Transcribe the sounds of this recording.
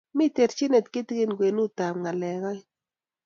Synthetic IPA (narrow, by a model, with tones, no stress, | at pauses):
mɪ˦t̪e˨ɾt͡ʃi˦ne˨t̪kɪ˦t̪ɡɪ˦nɡwe˨nu˦t̪a˨mŋa˨lɛ˨ɡɔ˦j